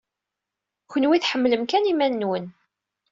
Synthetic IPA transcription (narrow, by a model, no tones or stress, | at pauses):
çənwiθħəmːləmkænimænːwən